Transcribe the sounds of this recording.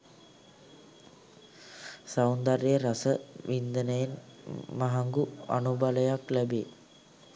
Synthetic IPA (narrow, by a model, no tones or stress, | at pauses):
sawnd̪areəɾasəʋind̪ənəjenmaɦaŋɡua̰nubaləjaklæbeː